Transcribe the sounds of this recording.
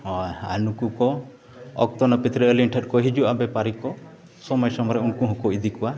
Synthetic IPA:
ɦɔa̰nukukɔ | ɔ̰kt̪ɔnɔpit̪ɾiːliɳʈʰəʈkɔɦid͡ʒuabepaɾikɔ | sɔmɔjsɔmɔɾeunkuɦũkuid̪ʱikua

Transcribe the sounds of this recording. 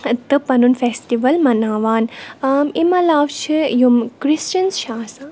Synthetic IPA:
t̪ɨpɐnunfesʈiʋɐlmɐnaːʋaːnmimɐlaːʋt͡ʃʰijumkɾist͡ʃɐnsʃaːsa

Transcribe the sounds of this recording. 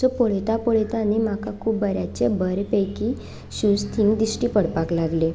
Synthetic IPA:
ɔpoɭet̪apoɭet̪animakakʰuːbbəɾjat͡ɕebəɾpəjki | ɕũst̪ʰiŋɡd̪isʈiːpəɽpaklaɡle

